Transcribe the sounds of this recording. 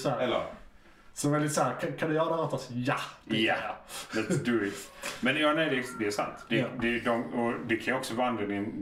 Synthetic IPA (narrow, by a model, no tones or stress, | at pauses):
shæːɾɛlːə̰ɾ | sɔvɛld̪ɪt̪saæːɾkʰakʰãnd̪ɵjœːɾahɑːt̪asjajalɛt̪sd̪əɪt̪mɛ̃njɑːnɛɪd̪ɛd̪ɛæsa̰nt̪d̪̥ɛd̪ɛd̪ɔmɔd̪ɛkʰanjɔksɔvand̪ɾamɪn